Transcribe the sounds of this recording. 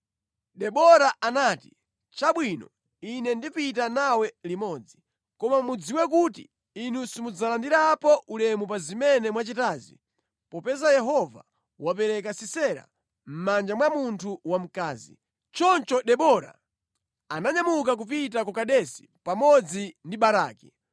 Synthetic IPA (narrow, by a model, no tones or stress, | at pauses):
ɗɛɓɔɾaʔanaːti̥ | t͡ʃaɓwinɔ̰ | inɛndipitanawɛlimɔːd͡zi | kɔmamud͡ziwɛk̬utḭ | inusimud͡zalandiɾapɔʔulɛmupazimɛnɛmwat͡ʃitaːzḭ | pɔpɛzajɛɦɔva̰ | wap̬ɛɾɛk̬asisɛɾa̰ | m̩mand͡ʒamwamuntʰuwam̩kaːzḭ | t͡ʃɔnt͡ʃɔɗɛɓɔɾa̰ | anaɲamuk̬ak̬up̬it̬akɔkaɗɛsi̥ | pamɔd͡zindiɓaɾaːki